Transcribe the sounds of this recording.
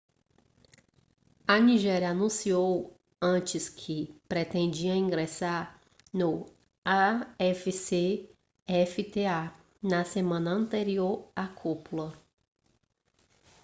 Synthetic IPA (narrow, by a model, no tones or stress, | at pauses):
ɐniʒɛɾjɐanũsiow | ɐ̃t͡ʃɪskʰɪpɾet̪ẽnd͡ʒiɐĩɡɾesaɾ | nʊ | aɛfise | ɛfit̪ea | nɐsemɐ̃nɐɐ̃nt̪eɾioɾakʰupulɐ